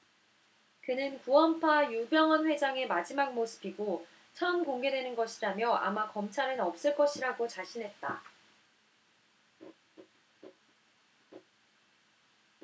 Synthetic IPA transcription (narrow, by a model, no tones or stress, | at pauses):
kɯnɯnkuʌmpʰajubjʌŋɦʌnɸwe̞d͡ʑaŋe̞mad͡ʑimak̚mosʰɯ̥biɡo | t͡ɕʰʌɯmkoŋɡe̞dwe̞nɯnɡʌɕʰiɾamjʌʔa̰makʌmt͡ɕʰaɾɯnʌp̚s͈ɯɭk͈ʌɕʰiɾaɡot͡ɕaɕʰinɦe̞t̚t͈a